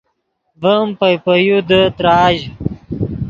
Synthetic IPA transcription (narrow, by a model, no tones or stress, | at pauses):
vəmpɐjpəjud̪ət̪ɾaːʑ